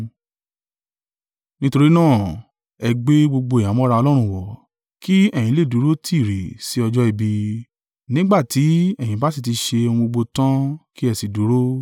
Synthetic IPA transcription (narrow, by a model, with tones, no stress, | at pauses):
nĩ˦to˧ɾi˦nãː˦˨ | ɛ˧ɡ͡be˦ɡ͡bo˧ɡ͡bo˧˨jã˨˦mɔ̃˦ɾa˧ɔ˧lɔ˦ɾ̃ũ˦˨wɔ˨ | ki˦ɛ˦˨j̃ĩ˨˦le˦˨du˨˦ɾo˦tʰi˦˨ɾe˨si˨˦ɔ˧d͡ʒɔ˦i˦˨bi˧ | nĩ˦ɡ͡ba˦˨ti˨˦ɛ˦˨jĩ˨˦ba˦s̬i˦˨t̬i˧ʃe˧o˧ũ˧ɡ͡bo˧ɡ͡bo˧tã˦ki˦ɛ˦˨si˨du˨˦ɾo˦